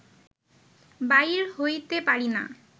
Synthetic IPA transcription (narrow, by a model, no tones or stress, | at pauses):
bajɾhojt̪epaɾina̰